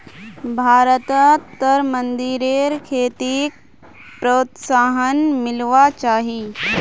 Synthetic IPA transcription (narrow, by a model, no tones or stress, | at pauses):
bʱaːɾət̪ət̪ːəɾmə̃nd̪iɾeːɾkʰeːt̪ik̚ | pɾoːt̪saːɦənmɪlʋat͡ʃaːɦiː